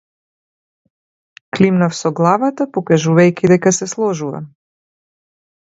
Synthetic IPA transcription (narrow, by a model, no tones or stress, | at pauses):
klimnafsɔɡlˠavat̪apɔkaʒuvajkʲid̪ɛkasɛslˠɔʒuva̰